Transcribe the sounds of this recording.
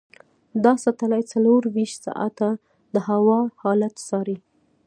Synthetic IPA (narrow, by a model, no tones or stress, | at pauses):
d̪ɑsat̪alajt͡saloɾwiʃt̪sɑ̰ʔa̰t̪a | d̪əhawɑhɑlat̪sɑɾi